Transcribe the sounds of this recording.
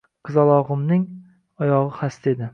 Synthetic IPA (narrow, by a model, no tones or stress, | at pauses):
qʰɨzɒlˠɒʁɨmnɪŋ | ɒjɒʁɨχast̪ed̪ɪ